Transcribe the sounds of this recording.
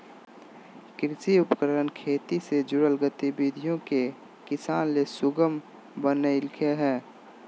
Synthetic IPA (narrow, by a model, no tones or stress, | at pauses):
kɾɪsiʊpkəɾɾənkʰeːt̪ised͡ʒʊɽəlɡət̪ibid̪ʱijõke | kɪsaːnlesʊɡəm | bənəɪlkʰeɦɛː